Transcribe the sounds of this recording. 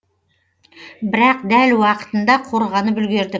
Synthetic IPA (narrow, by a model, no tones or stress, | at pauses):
bɪɾɑqd̪ælwɑqə̥t̪ənd̪ɑqʰo̞ɾʁɑnəbʏlɡʲe̞ɾd̪ɪ